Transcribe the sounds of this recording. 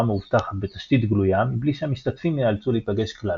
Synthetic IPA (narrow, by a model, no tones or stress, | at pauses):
ameuvt̪aχatbet̪aʃt̪it̪ɡlujamibliʃeamiʃt̪at̪fimlealt͡sulipaɡe̞ʃkla